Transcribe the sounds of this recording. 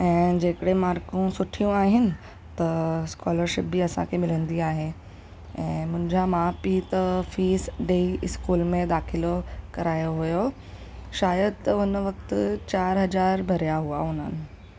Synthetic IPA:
ɛ̃ːd͡ʑeːkəɽemaːɾkũsʊʈʰijũaːɦɪnɪ̆ | t̪ɐskɔːləɾʃɪp̚biɐsã̰kʰemɪlə̃nd̪iaːɦe | ɛ̃ːmʊ̃ɦɪ̃ɲd͡ʑamaːpiːt̪ɐfiːsɖeːiɪskuːlmẽd̪aːxɪlokɐɾaːjoɦujo | ʃaːjəd̪t̪ɐʊnʋɐk̚t̪ʊt͡ɕaːɾɦɐd͡ʑaːɾbʱɐɾjaɦuaʊn̤ənɪ̆

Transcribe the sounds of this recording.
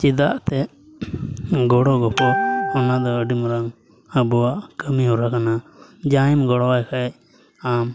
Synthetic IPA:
t͡ʃid̪aʔt̪ɛ | ɡɔɽɔɡɔpʰɔɔnad̪ɔəɖimɾaŋ | əbɔwaʔkəmiɦuɾakanad͡ʒaɛmɡɔɽɔwajkʰaɛ | am

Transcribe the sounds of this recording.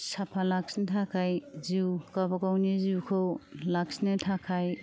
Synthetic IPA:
sapʰalaksnetʰakʰajziwkabakawniziwkʰɯwlaksnetʰakʰaj

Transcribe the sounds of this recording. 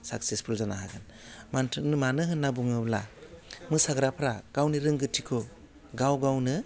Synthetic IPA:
saksespʰulzanaɦaɡɯn | mantʰɯnɯmanɯɦɯnːabuŋɯla̰mɯsaɡɾapʰɾaɡ̥awniɾɯŋɡɯtʰikʰɔ | ɡawɡawnɯ

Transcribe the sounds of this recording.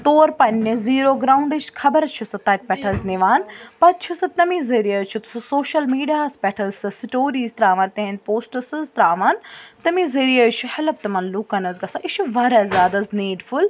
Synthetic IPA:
t̪oːɾpɐnʲːeziːɾoːɡɾaːuɳɖɐt͡ʃkʰɐbɐɾɐt͡ʃʰusɐt̪ɐk̚pɛʈʰɐzniʋaːnpɐt͡ʃʰusɨt̪nɐmizɐɾijɐt͡ʃʰut̪susoːʃɐlmiːɖijaːspʲɛʈʰɐzɨsʈoːɾiːzt̪ɾaːʋɐnt̪ɐɦẽn̚poːsʈɐsɨzt̪ɾaːʋaːnt̪ɐmizeɾijɐt͡ʃʰuhɐlɐb̚t̪ɐmɐnlukɐnɐzɡɐsaʔit͡ʃʰuʋɐɾɐzjaːd̪ɐzneːɖfʰul

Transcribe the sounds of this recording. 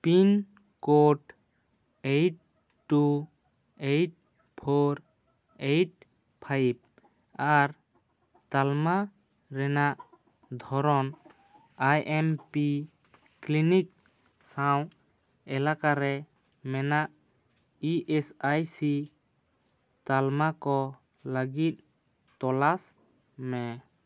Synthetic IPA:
pin | koʈ | ejʈ̚ | ʈːu | ejʈ̚ | pʰoɾ | ejʈ̚ | pʰajb̚ | aɾ | t̪alma | ɾɛnaʔ | d̪ʱɔɾɔn | ajʔɛmpi | klinik̚ | saw | ɛlakaɾɛ | mɛnaʔ | iʔɛsajsi | t̪almakɔ | ləɡit̪̚ | t̪ɔlas | mɛ

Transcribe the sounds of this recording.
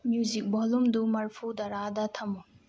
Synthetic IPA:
mjuzik̚bɔlumdumɐɾpʰudɐɾadɐtʰɐmu

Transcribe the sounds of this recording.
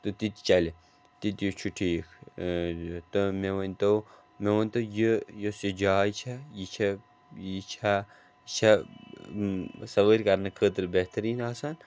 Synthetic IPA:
t̪ɨt̪it̪ʲt͡ʃɐlʲi | t̪it̪ʲjot͡ʃʰuʈʰiːkʰ | t̪ɨmeʋɐnʲt̪ow | meʋɐnʲt̪ojijosid͡ʒaːjt͡ʃʰɐjit͡ʃʰɐ | jit͡ʃʰa | t͡ʃʰɐ | sɐʋəɾʲkɐɾnɨkʰəːt̪ɾbeɦt̪ɐɾiːnaːsan

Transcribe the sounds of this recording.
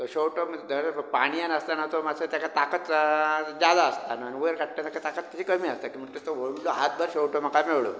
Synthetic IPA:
t̪oɕowʈomd̪əɾpaɽ̃ijanəst̪anat̪omad͡zʰət̪jakat̪akət̪d͡ʑad̪aəst̪anaañiuəɾkaʈ̪ːat̪akat̪akət̪ːət͡ɕikəmiːəst̪akiːm̤ət͡ɕet̪oʋoɽloɦat̪̚bʱəɾɕowʈom̤əkameɭɭo̰

